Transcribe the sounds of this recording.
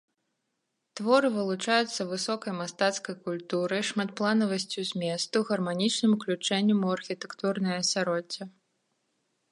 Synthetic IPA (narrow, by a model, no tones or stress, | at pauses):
t̪vɔɾɨvɨlˠut͡ʂajut̪sːɐvɨsɔkɐjmast̪at̪skɐjkulʲt̪uɾɨjʂmat̪̚plˠanɐvɐsʲt͡sʲuzʲmʲɛst̪uɣɐrmanʲit͡ʂnɨmuklʲut͡ʂɛnʲːɐmuɐrxʲit̪ɛ̥kt̪urnɐjɐsʲaɾɔt͡sʲːɐ